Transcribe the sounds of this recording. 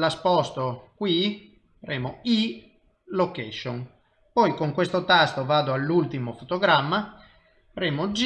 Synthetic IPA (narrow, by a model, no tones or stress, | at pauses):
laspɔst̪okwi | faɾeːmoi | lokɛʃon | pɔjkoŋkwest̪ot̪ast̪ovaːd̪oalːult̪imofot̪oɡɾamːa | faɾɛːmod͡ʒ